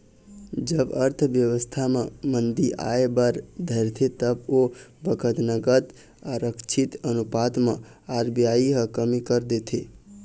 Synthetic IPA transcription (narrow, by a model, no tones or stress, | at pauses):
d͡ʒəbəɾt̪ʰʋjəʋəst̪ʰamãmənd̪iʔa̰ebəɾd̪ʱəɾt̪ʰet̪əbobəkʰət̪nəɡət̪ | aɾəkt͡ʃʰɪt̪ənupat̪mã | aɾbijaiɦəkəmikəɾd̪et̪ʰe